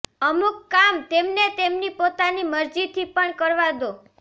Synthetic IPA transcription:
əmukːamt̪emnet̪emnipot̪animəɾd͡ʒit̪ʰipəɳkəɾʋad̪o

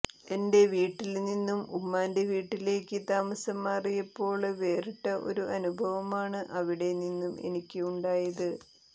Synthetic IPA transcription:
e̞nde̞ʋiːʈːilninːumumːaːndeʋiːʈːile̞ːkʲːɨt̪aːmɐsɐmːaːrijɐpːo̞ːɭʋe̞ːriʈːɐʔo̞̰ɾuʔɐnubʱɐʋɐmaːɳɨʔɐʋiɽe̞ninːume̞̰nikʲːɨuɳɖaːjɐðɨ

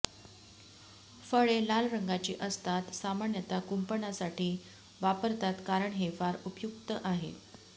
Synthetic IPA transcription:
fəɭelalɾəŋɡat͡ɕiːʔəst̪ʰat̪samaɳjət̪akumpəɳasaʈiː | ʋapəɾt̪at̪kaɾəɳɦefaɾupjuk̚t̪əʔaɦḛ

